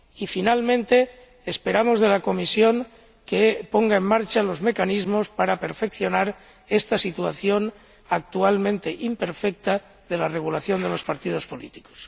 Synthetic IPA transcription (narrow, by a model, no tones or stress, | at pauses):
ifinalmẽnt̪e̞ː | spe̞ɾamo̞zðe̞lako̞misjo̞ŋ | kepo̞ŋɡae̞mːaɾt͡ʃalo̞zme̞kanizmo̞spaɾape̞ɾfe̞kθjo̞naɾ | e̞st̪asit̪uaθjo̞n | ak̚t̪ualmẽ̞nt̪e̞ʔimpe̞ɾfek̚t̪a | ðe̞lareɣulaθjo̞nd̪e̞lo̞spaɾt̪ið̞o̞spo̞lit̪i̥ko̥s